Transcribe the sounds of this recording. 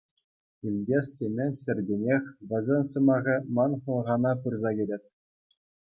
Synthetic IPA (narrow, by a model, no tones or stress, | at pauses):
ilʲdʲesʲtʲemʲĕnʲsʲɘ̆rʲdʲenʲexʲʋʲɘ̆zʲɘ̆nʲsɤ̆mɑʁʲɘ̆mɑnχɤ̆lˠʁɑnɑpurzɑɡʲelʲetʲ